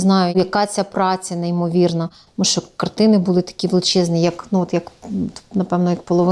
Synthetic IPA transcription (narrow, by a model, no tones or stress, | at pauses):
znɑjʊjɐkɑt͡sʲapɾɑt͡sʲɐneimɔʋʲirnɐt̪muʃt͡ʃɔkɐrt̪ɪnɪbʊlˠɪt̪ɐ̥kʲiʋlˠt͡ʃɪznijɐknuɔt̪jɐkt̪nɐpɛʋnɔjɐk̚pɔlˠɔʋɪ